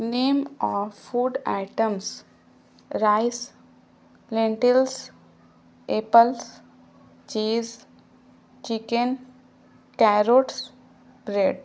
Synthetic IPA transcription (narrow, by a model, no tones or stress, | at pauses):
nẽːmɔːfuːɖa̰ɪʈə̃ms | ɾaɪs | lẽɳʈɪls | eːpəls | t͡ʃiːz | t͡ʃikẽn | kɛɾoːʈs | bɾeːɖ